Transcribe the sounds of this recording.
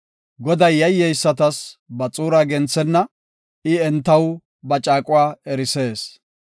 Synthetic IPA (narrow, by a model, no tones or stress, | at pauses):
ɡɔd̪ɐjːɐjːɛjsːɐt̪ɐsbɐt͡sʼuːɾaːɡɛnt͡sːɛnːɐ | ɪɛnt̪ːɐw | bɐt͡ʃʼaːkʼʊwaːɛɾɪse̞ːs